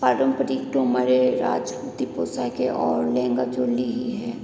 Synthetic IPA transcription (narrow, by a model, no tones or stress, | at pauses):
paːɾə̃mpəɾiʈoməɾeɾa̰ːd͡ʒput̪ipoːsakeʔɔːɾlɛ̃ːŋɡad͡ʒoːliɦiɦɛː